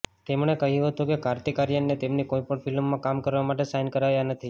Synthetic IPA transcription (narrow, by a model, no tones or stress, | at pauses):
t̪emɳ̃ekəɦjũɦət̪ũkekaɾt̪ikaɾjənːet̪emnikoipəɳfʰɪlmːãkamkəɾʋamaʈ̬esajnkəɾajanət̪ʰi